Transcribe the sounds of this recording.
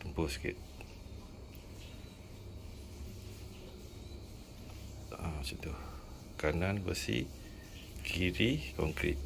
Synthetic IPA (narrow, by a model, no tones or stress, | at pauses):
t̪əmpʊskɪ̰t̪̚ | at͡ʃɔnt̪ʊh | kananbə̰sḭ | kʰiɾikɔŋkɾḭt̪̚